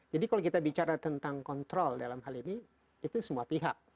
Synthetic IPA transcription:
d͡ʒadikalowkit̪abit͡ʃaɾat̪ənt̪aŋkɔnt̪ɾɔldalamɦaliniː | t̪usəmuapiɦak̚

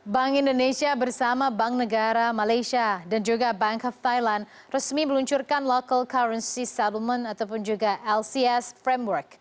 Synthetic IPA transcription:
baŋindonẽsiabərsamãbaŋnə̃ɡaɾamalajʃiadand͡ʒuɡabaŋkɔft̪ajlãn | rəsmiməluɲt͡ʃurkanlokəlkaɾənsisɛdəlmə̃nat̪awpʊnd͡ʒuɡaʔɛlsiɛsfɾemwərk̚

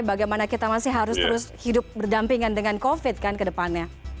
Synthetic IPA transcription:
baɡajmanakit̪amasɪɦaɾʊst̪əɾʊshidʊp̚bərdampiŋandəŋankofɪt̪̚kankədəpanɲa

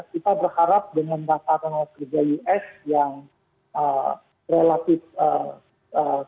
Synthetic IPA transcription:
kit̪abərhaɾap̚dəŋandasaɾaŋlakərd͡ʒajuʔɛsjaŋ | ə | relat̪ɪfə | ə

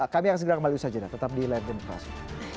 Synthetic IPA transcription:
kamiaks̬əɡəɾakəmaliusad͡ʒada̰t̪ət̪ap̚dilard͡ʒənkɾa̰s

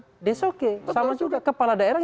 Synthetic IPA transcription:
dɛsokesamad͡ʒuɡakəpaladaeɾaŋ

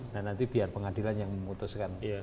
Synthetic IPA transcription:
nahnant̪ibiarpəŋadilanjaŋməmut̪ʊskan

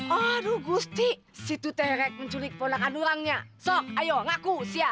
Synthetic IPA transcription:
ɔduɡust̪i | sit̪ut̪ɛhɾɛk̚məɲt͡ʃulɪk̚ponakanduɾaŋɲasɔk̚ajɔŋakusia

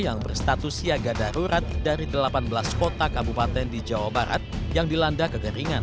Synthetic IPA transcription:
jaŋbərst̪at̪usiaɡadaɾuɾat̪̚daɾidəlapanbəlaskot̪akabupat̪ɛndid͡ʒawabaɾʔa̰t̪̚jaŋdilandakəkəɾiŋan

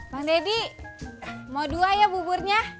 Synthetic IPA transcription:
baŋdedi | maduajabuburɲa

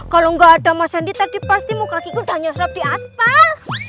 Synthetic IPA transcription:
kaloŋɡaːdamasəndit̪ad̥ipast̪imukakikud̪a̤ɲasɾɔp̚d̥i̤aspal

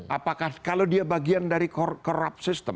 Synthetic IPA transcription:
ʔapakahkalowdiabaɡiandaɾikɔkɔɾa̰p̚sɪst̪əm

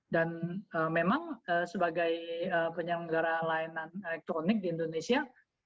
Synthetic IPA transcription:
danəːmemaŋəsəbaɡajəpəɲaŋəɡaɾalainanelɛk̚t̪ɾonɪk̚diːndonesia

